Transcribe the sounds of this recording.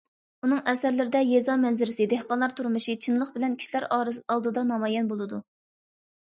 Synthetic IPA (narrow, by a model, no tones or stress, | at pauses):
unɨŋʔɛsæɾlɪɾɪd̪ɛjezɑmɛnzɪɾɪsɪd̪ehqɑnlˠɑɾt̪ʰuɾmuʃit͡ʃʰinlˠəqbɪlɛnkʲʰi̥ʃilæɾɑːɾɨɑlˠd̪ɨd̪ɑnɑmɑjɛnbolˠɨd̪u